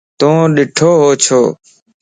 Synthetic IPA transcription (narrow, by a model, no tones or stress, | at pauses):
t̪ũːɗɪʈʰoːɦoːt͡ʃʰoː